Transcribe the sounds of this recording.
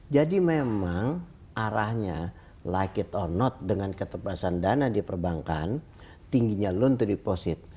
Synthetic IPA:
d͡ʒadimemaŋ | ʔaɾahɲa | lakɪt̪ɔrnɔt̪̚dəŋankət̪əpasandanadipərbaŋka̰n | t̪iŋɡiɲalʊnt̪udiposɪt̪̚

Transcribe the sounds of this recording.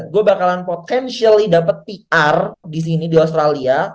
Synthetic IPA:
t̪̚ɡuabakalanpot̪ɛnʃialidapət̪̚piardis̬inidios̬t̪ɾalia

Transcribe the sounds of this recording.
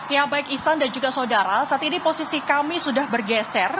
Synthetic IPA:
jabaɪkisandand͡ʒuɡasaodaɾasat̪iniposisikamisudahbərɡɛsɛr

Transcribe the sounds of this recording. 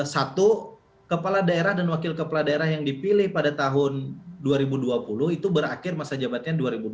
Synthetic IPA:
sat̪u | kəpaladaeɾahdanwakɪlkəpaladaeɾahjaŋdipilɪhpadat̪aɦʊnduaɾibuduapulʊhit̪ubəɾa̰kɪrmasad͡ʒabat̪̚ɲaduaɾibud

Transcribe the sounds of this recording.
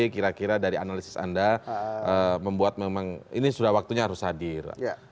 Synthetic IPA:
ikiɾakiɾadaɾianalisɪ̥sa̰ndaəməmbuat̪̚memaŋḭnisudahwak̚t̪uɲaːɾʊshadɪr

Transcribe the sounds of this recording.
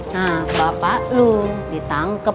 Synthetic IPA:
nabapaʔludit̪aŋkə

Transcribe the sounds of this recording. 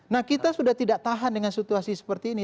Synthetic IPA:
nahkit̪asudaht̪idaʔt̪aɦandəŋansit̪uasisə̥pərt̪iːni

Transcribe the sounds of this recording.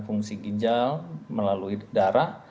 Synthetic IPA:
fuŋsiɡid͡ʒalməlaluidaɾaʔ

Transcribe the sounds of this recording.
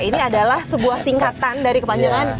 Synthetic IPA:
iniadalahsəbuahsiŋkat̪andaɾikəpaɲd͡ʒaŋan

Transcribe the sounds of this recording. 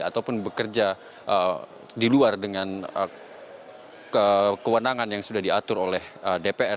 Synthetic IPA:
a̰t̪awpʊnbəkərd͡ʒa | ʔə | diluardəŋanə | kəkəwənaŋanjaŋsudahdiat̪ʊɾolɛhədepeɛ

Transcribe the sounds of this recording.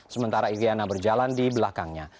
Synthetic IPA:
səmənt̪aɾaiɾianabərd͡ʒalandibəlakaŋɲa

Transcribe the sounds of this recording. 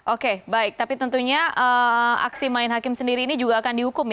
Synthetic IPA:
ʔokebaɪk̚t̪apit̪ənt̪uɲaʔəa̰ksimaɪnɦakɪmsəndiɾiːnid͡ʒuɡaːkandiɦukʊm

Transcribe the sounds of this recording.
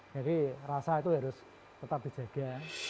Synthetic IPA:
ɡ̥aɾirasait̪uɦaɾʊs | t̪ət̪ap̚d̪i̤d͡ʒ̥ä̤ɡ̥a̤

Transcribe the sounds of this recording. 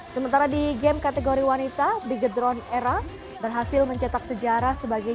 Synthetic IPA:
səmənt̪aɾadiɡɛmkat̪eɡoɾiwanit̪abɾiɡəd̪ɾɔnɛɾa | bərɦasɪlməɲt͡ʃət̪ak̚səd͡ʒaɾasəbaɡa

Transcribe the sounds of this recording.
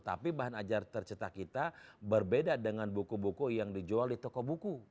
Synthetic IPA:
t̪a̰pibaɦanad͡ʒart̪ərt͡ʃət̪akːit̪abərbedadəŋanbukubukujaŋdid͡ʒualdit̪ɔkɔbuku

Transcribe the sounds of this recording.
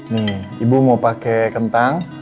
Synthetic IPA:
nɪibumaupakekənt̪aŋ

